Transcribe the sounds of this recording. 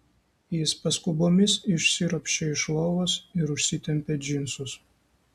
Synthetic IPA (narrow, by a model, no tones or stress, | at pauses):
jɪspɐskʊboːmʲɪsɪʃʲsʲɪɾɔpʲʃʲɛɪʃlˠoːʋoːsɪɾʊʃʲsʲɪt̪ʲɛmʲpʲed͡ʒʲɪnsʊs